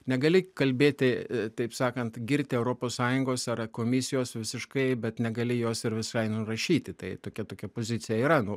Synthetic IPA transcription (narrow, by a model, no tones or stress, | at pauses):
nʲɛɡɐlʲɪkɐlʲbʲeːt̪ʲɪt̪ɐɪpsɑːkɐnt̪ɡʲɪɾʲt̪ʲɪɛʊɾoːpoːssɑːjʊŋɡoːsɐrkoːmʲɪsʲɪjoːsʋʲɪsʲɪʃkɐɪbʲɛt̪nʲɛɡɐlʲɪjoːsɪɾʋʲɪsʃɐɪnʊrɐʃʲiːt̪ʲɪt̪ɐɪt̪oːkʲɛt̪oːkʲɛpoːzʲɪt̪sʲɪjɛiːɾɐnʊ